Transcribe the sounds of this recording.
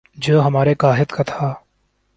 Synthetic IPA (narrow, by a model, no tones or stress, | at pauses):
d͡ʒoːɦɐmaːɾekaːɦɪt̪kat̪ʰaː